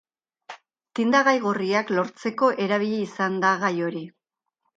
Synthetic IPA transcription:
t̪ind̪aɣajɣoriaklo̞ɾt͡se̞ko̞ʔe̞ɾaβ̞iʎeisand̪aɣajo̞ɾi

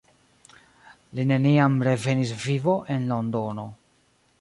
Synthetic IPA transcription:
line̞niamɾe̞ve̞nis̬vivo̞ʔe̞nlo̞ndo̞no̞

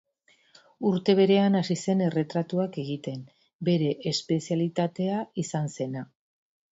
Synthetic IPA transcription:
uɾt̪e̞β̞e̞ɾe̞anasise̞ne̞re̞t̪ɾat̪uake̞ɣit̪e̞m | be̞ɾe̞ʔːspe̞sialit̪at̪e̞aisanse̞na

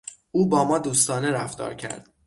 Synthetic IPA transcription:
uːbɒːmɒːd̪uːst̪ɒːneɾæfd̪ɒ̰ːɾcʰæ̰ɾd̪̥

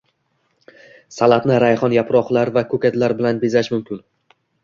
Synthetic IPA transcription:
salat̪nɪɾajχɒnjapɾɒχlˠaɾvakʰɵkʲat̪laɾbɪlanbezaʃmʊmkʲɪn

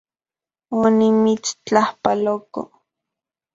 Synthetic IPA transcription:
onimit͡st͡ɬahpaloko̰

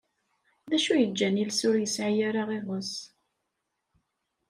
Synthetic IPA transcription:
ðæʃujəd͡ʒːænilsʊɾjəsʕajaɾaʁeʁəs

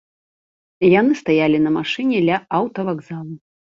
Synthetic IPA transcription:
janɨst̪ajalʲinɐmaʂɨnʲɛd̪lʲɐawt̪ɐvaɡzalˠu

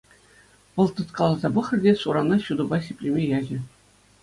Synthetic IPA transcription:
ʋɤ̆lˠt̪ɤ̆t̪kɑlˠɑzɑbɤ̆χɘ̆rʲdʲeʂuɾɑnɑɕud̪ubɑɕʲepʲlʲemʲejɑʑɘ̆

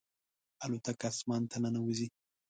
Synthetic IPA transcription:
alut̪akasmant̪ʰananawuzi

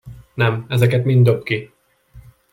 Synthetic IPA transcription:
nɛmɛzɛkɛt̪mind̪øpki

